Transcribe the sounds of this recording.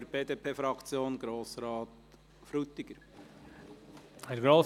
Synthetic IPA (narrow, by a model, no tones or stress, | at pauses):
əɾb̥eːd̪eːpʰeːfɾɑkt͡sjoːnɡɾoːsɾɑːt̪ | fɾut̪ːɪɡ̥əɾ | hɛɾɡɾoː